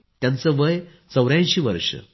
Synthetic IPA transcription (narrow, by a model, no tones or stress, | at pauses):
t̪jãnt͡səʋəj | t͡səwɾãnɕiːʋə̰ɾʂə̰